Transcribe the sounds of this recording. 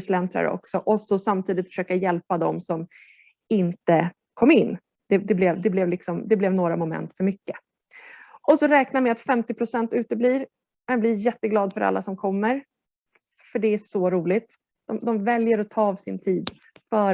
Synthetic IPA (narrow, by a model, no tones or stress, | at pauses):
slɛnt̪ɾa̰ɾə̰ɔ̰ksɔʔɔsɔsamt̪ʰiːd̪ɪt̪fœʂøːkajɛlpad̪ɔmsɔm | ɪnt̪ə | kʰɔmːɪnː | d̪̥ɛd̪ɛblɛvd̪ɛblɛvlɪksɔmd̪ɛblɛvnoːɾamʊmɛ̰nt̪fœɾmʏkːə | ʔɔsɔɾɛːknamɛat̪fɛmt̪ɪpʰɾʊsɛnt̪ʉ̟ːt̪əbliːɾ | mɛnblɪjɛt̪ːəɡlɑːd̪fœɾa̰lːasɔmkʰɔmːəɾ | fœɖɛæʂɔɾuːlɪt̪ | d̪̥ɔmd̪ɔmvɛljəɾɔt̪ʰːɑːɑːvsɪnt̪ʰiːd̪ | fœː